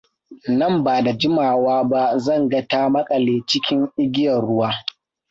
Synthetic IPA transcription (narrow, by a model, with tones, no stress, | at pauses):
nɐ˦˨mbaː˨da˨d͡ʒɪ˦maː˨waː˦ba˦zɐ˦˨ŋɡɐ˦taː˦mɐ˦kʼɐ˨leː˨t͡ʃɪ˦kʲɪ˦ŋʔɪ˦ɡʲɪ˦jɐ˨rɽʊ˦waː˦